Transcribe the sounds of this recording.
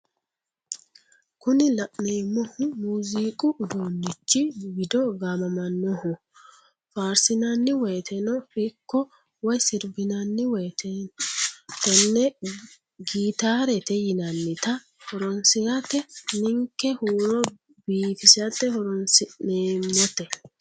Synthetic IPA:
kʊnɪlɐʔneːmːɔhʊmuːziːkʼʊʔːd̪oːnːɪt͡ʃːɪwɪd̪ɔɡamɐmɐnːɔhʊ | faːɾsɪnɐnːɪwɔjt̪ʰɛnɔfɪkːɔ | wɔjsɪɾbɪnɐnːɪwɔjt̪ʰɛnt̪ːɛnːɛ | ɡiːt̪aːɾɛt̪ɛjɪnɐnːɪt̪ɐ | hɔɾɔnsɪɡɐt̪ːɛnɪŋkːɛhuːɾɔ | biːfɪsɐt̪ːɛhɔɾɔnsɪneːmːɔt̪ɛ

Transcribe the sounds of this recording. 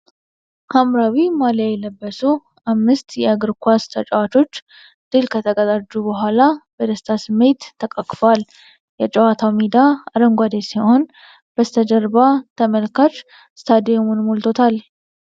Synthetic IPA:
hamɾawimaljajɛləbːəsu | ʔamːɨst̪jɛaɡɨɾkʷast̪ʰət͡ʃʼəwat̪ʰo̞t͡ʃː | d̪̥ɨlkʰət̪ʰəɡəzad͡ʒːubəɦʷalabəd̪əst̪ʰasɨmːe̞t̪ʰːəkʼəkʼfoal | jɛt͡ʃʼəwat̪ʰawmid̪aaɾəŋɡʷad̪esiho̞n | b̥əst̪ʰəd͡ʒəɾbat̪ʰəməlkat͡ʃ | st̪ʰad̪ijomunmolt̪ʰot̪ʰal

